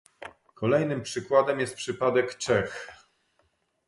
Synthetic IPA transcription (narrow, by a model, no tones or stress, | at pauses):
kʰɔlɛjnɘmpʂɘkwad̪ɛmjɛst̪pʂɘpad̪ɛkt͡ʂɛx